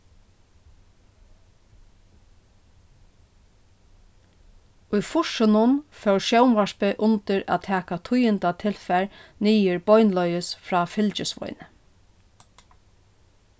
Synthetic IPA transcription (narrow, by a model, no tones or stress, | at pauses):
ʊjfʊʃʊnʊnfɛwʃɛwmʋaʂpɪʔʊnt̪ɪɾæ̰ːt̪ʰɛːkat̪ʰʊjɪnt̪at̪ʰɪlfɛɹniːɪɹbɔjnlɔʏɪsfɾɑːfɪlt͡ʃɪsʋɔ̰jnə